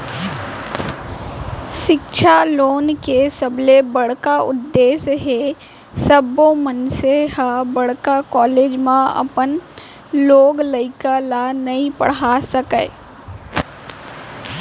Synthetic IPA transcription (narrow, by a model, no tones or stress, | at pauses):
ʃɪkʃʰaloːnkesəblebɐɽkaʊ̰d̪ːeːsɦe | səbõmənseɦabɐɽ̤kakɔːleːd͡ʒmãɐ̰pən | loːɡləɪkalanɐɦĩpə̰ɽ̤asəkə